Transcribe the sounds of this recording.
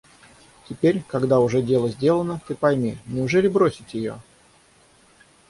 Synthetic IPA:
tʲɪpʲeɾʲkɐɡd̪aʊʐɛdʲe̞lˠəzʲdʲe̞lˠənət̪ɨpɐjmʲinʲɪʊʐɛlʲɪbɾosʲɪtʲjɪjo̰

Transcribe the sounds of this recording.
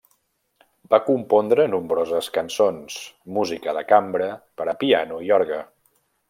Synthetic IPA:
bakumpɔnd̪ɾənumbɾozəskənsonsmuzikəðəkambɾəpəɾəpianuiɔɾɣə

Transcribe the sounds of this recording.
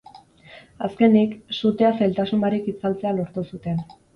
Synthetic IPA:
aske̞niksut̪e̞asajlt̪asumbaɾikit͡salt͡se̞alo̞ɾt̪usut̪e̞n

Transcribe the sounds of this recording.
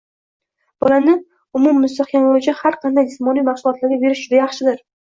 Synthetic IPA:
b̥ɒlanɪ | ʊmʊmːʊst̪aχkʲamoʊt͡ʃahaɾqʰɑnd̪ajd͡ʒɪsmɒnijmɑχsʊlˠɒt̪laɾɡʲabe̞ɾɪʃd͡ʒʊd̪ajɑχʃɪd̪ɪɾ

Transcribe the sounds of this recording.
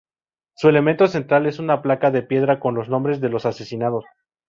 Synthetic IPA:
sue̞le̞ment̪o̞se̞nt̪ɾale̞sunaplakaðe̞pje̞ðɾako̞nlo̞znõ̞mbɾe̞zðe̞lo̞sase̞sinaðo̞s

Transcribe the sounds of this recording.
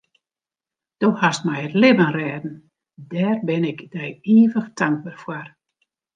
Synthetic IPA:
d̥ohastmɛjətlɪbənrɛːdn̩ | dɛːrbɪnɪkdɛjiːvəxtaŋɡ̚barfwɔr

